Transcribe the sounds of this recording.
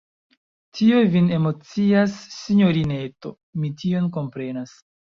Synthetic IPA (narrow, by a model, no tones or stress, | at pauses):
tʰiojvine̞mo̞t͡siasːiɲo̞ɾine̞to̞̰ | mitio̞nko̞mpɾe̞nas